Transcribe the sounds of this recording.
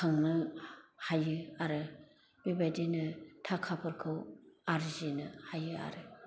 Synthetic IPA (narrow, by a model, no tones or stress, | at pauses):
kʰaŋnɯhajɯaɾɯ | b̥ebadinɯtʰakʰapʰɯɾkʰɯwaɾzinɯhajɯa̰ɾɯ